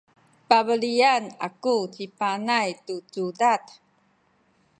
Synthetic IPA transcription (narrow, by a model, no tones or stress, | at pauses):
pabəlianakut͡ɕipanajtut͡sudat̪